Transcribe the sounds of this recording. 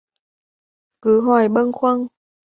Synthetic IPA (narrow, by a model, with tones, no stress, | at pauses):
kɨ˨˦ɦwaː˧˩jɓə˧nxwə˧n